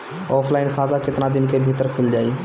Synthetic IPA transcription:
ɔːpʰlaːɪnkʰaːzakɪt̪nad̪ɪnkebʱit̪əɾkʰʊld͡ʒaːi

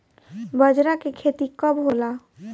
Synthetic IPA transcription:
bəd͡ʒɾakekʰet̪ikɔbɦola

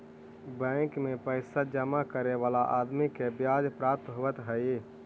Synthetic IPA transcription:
bə̃kmẽpəɪsad͡ʒəmakəɾeʋaːlaʔaːd̪mikebjad͡ʒpɾaːp̚t̪ɦoət̪ɦəi

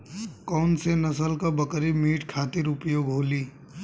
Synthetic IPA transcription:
kɔːnsenɐsəlkabəkɾimiːʈkʰaːt̪ɪɾʊpjoːɡɦoːliː

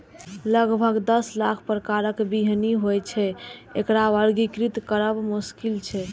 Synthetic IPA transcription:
ləɡbʱəɡd̪əslakʰpɾəkaɾəkbiɦniɦojt͡ʃʰɛekɾaʋəɾɡikɾit̪kəɾəbmuskilt͡ʃʰɛ

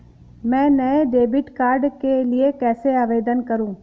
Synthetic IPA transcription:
mɛ̃ːnɐeɖeːbɪʈkaːɾɖkelɪekɛːseaːʋeːd̪ənkɐɾũː

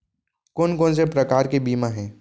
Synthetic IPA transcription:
koːnkoːns̬epɾɐkaːɾkebiːmaɦɛ̃ː

